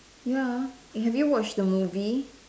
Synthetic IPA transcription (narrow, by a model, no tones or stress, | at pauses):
jæ | ɦɛvjuwɔt͡ʃðəmuvi